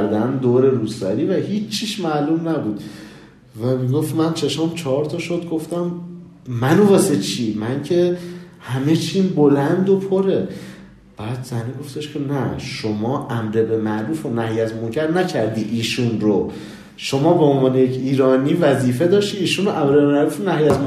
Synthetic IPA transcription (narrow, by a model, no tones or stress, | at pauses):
ɾd̪ænd̪oːɾe̞ɾuːsvæ̰ɾiːvæhiːt͡ʃʰːiːʃmæːlumnæbuːd̪̥ | væmiɡo̞ft̪mænt͡ʃʰe̞ʃɒmt͡ʃʰɒɒɾt̪ʰɒːʃo̞d̪ɡo̞ft̪æm | mːænobɒːse̞t͡ʃʰiːmæncʰe̞hæme̞t͡ʃʰiːnbo̞lænd̪opʰoɾe | b̥æːd̪zæniɡo̞ft̪e̞ʃcʰe̞næʃomɒːʔæmɾebemæʔɾuːfonæhjæzmocʰæɾnæcʰæɾd̪iːʔiːʃunɾo | ʃo̞mɒːbeonvɒːnejecʰiːɾɒːniːvæziːfe̞d̪ɒːʃt̪iːʃunoʔæmɾebemæɾufonæhjæz